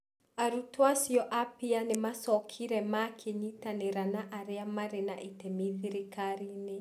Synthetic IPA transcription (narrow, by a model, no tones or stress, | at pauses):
aɾutwasjɔʔapianemasɔkʰiɾɛmakʰeɲitaneɾanaʔaɾeamaɾena̰ʔitemiðiɾekaɾine